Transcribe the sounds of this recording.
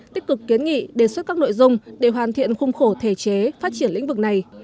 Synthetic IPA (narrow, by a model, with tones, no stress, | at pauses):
t̪i˦˥k̚kɨ˨˩kːi˨˦ənŋḭ˧˨ɗe˨˩swə˦˥t̚kaː˦˥k̚no̰˧˨jzʊ˨˩ŋ͡mɗe˧˩ɦwaː˨˩nt̪ʰḭ˧˨ənxʊ˧wŋ͡mxo˧˩t̪ʰe˧˩t͡ɕe˨˦faː˦˥t̚t͡ɕi˧˩ənlḭ̈˧˥ŋ̟vɨ˨˩k̚na˨˩j